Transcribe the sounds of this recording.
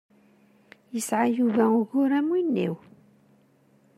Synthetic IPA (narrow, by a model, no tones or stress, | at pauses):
jəsʕajuvæʊɣʊɾæmwinːḭw